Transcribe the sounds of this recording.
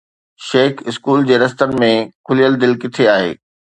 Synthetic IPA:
ʃeːkɪskuːld͡ʑeːɾɐst̪ənɪ̆mẽkʰʊlijəld̪ɪlkɪt̪ʰeaːɦḛː

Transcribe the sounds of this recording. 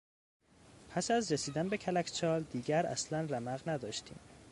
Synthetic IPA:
pʰæsæzɾesiːd̪ænbe̞cʰælæcʰt͡ʃʰɒːld̪iːɟæɾæ̰slænræmæɣnæd̪ɒːʃt̪ʰḭːm

